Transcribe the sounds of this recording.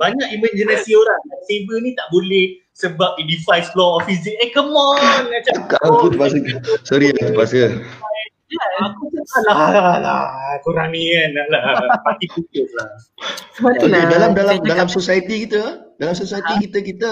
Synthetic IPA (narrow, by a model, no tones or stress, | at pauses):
baɲakimə̃nd͡ʒənasioɾaŋasebənĩt̪aʔbolɛh | səbap̚idifajsflɔɔfizik̚ɛkəmɔnat͡ʃakaʔakut̪əpaskəsoɾit̪əpaskə | aakut̪əalaala̰koɾanianaʔlapat̪iput̪ʊslahsəmaedalamdalamdalamsosajət̪ikit̪ədalamsosait̪ikit̪əkit̪ə